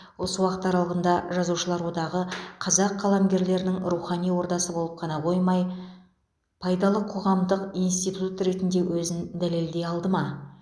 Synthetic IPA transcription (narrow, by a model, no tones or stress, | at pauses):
wo̞səwɑqt̪əɑɾɑlˠʁənd̪ɑʒɑzuwʃəlˠɑɾwo̞d̪ɑʁəqʰɑzɑqʰːɑlˠɑmɡʲe̞ɾle̞ɾɪnɪŋɾuχɑnijwo̞ɾt̪ɑsəbo̞lˠəp̚qʰɑnɑqʰo̞jmɑj | pʰɑjd̪ɑlˠəqʰo̞ʁɑmd̪əqijnst̪ijt̪ut̪ɾe̞t̪ɪnd̪e̞wʔɵzɪnd̪æle̞ld̪e̞jɑlˠd̪əmɑ